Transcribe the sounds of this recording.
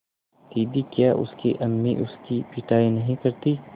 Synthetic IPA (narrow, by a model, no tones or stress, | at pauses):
t̪iːd̪ikjaːʔʊ̰skḛʔɐmːiʔʊskipɪʈaːinɐɦĩkɐɾt̪i